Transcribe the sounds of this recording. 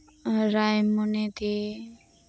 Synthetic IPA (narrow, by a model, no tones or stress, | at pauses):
ɾajmunet̪e